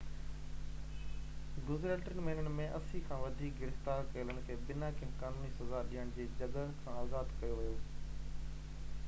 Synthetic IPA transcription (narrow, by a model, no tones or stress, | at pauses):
ɡʊzɾeːʈəɾənɪmeɦnənɪ̆mẽʔɐsĩkʰãːʋɐd̪ʱiːk̚ɡɪɾɪft̪aːɾkɐɪlənɪ̆kʰeːbɪnakɪ̃kaːnuːnisɐzaɗiːəɽ̃d͡ʑeːd͡ʑɐɠəkʰãːaːzaːd̪kɐjoʋɪjoː